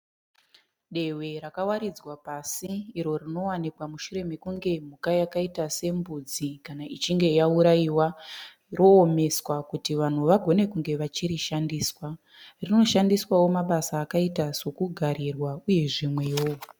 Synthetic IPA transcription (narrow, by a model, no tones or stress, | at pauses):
ɗe̞we̞ɾakawaɾid͡zwapasiːɾo̞rino̞wanikwamuʃuɾe̞mekuŋɡe̞m̤ukajakaitase̞mbud͡zikanaʔit͡ʃiŋɡe̞jauɾaiwa | rʔo̞ːme̞swakutiʋan̤uʋaɡʱo̞ne̞kuŋɡe̞ʋat͡ʃiɾiʃandiːswa | rino̞ʃandiswawo̞maɓasaːkaitaso̞kuɡʱaɾirwauje̞ʐimwewo